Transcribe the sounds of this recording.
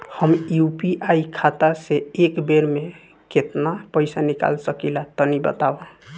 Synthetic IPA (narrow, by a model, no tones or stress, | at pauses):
həmjupiʔaikʰat̪aseekbeɾme | ket̪napəɪsanika̰lsəkilat̪ənibə̰t̪aba